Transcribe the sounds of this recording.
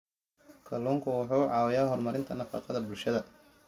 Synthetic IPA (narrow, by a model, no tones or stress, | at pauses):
kʰɐlɔŋkʰʊwʊħuːʕɑːwɛjaːɦɔrmɐɾɪnt̪ʰɐnɐfɑ̰ːqɑðɐbʊlʃɐðɐ